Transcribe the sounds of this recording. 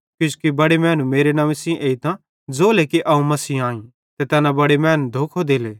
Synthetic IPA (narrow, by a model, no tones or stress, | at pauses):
kjʊ̃t͡ʃu̥kibɐɽemɛːnũmeːɾenãːʋisĩʔeːit̪ã | d͡zoːlekiʔɐũmɐsiːaːĩ | t̪et̪ɛːnãbɐɽemɛːnũd̪ʱoːkʰod̪eːleː